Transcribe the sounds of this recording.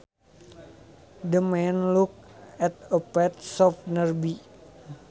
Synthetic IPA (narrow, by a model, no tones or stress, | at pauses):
dəmɛnluk̚ɛt̪̚əpɛt̪̚sɔfnərbi